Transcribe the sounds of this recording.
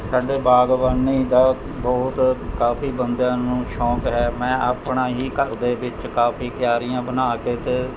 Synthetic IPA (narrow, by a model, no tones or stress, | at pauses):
saːɖeːbaːɡʋəniːd̪aː | bɔːt̪kaːfiːbənd̪jãːnũːʃɔːkɦɛːmɛ̃ːʔaːpɳaːɦiːkəɾd̪eːʋɪt͡ʃkaːfiːkɪjaːɾɪjãːbənaːkeːt̪eː